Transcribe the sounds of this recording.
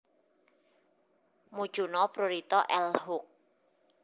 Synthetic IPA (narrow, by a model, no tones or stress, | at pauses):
mud̥ʒ̥ṳnɔpɾoɾit̪ɔʔɛlhʊk̚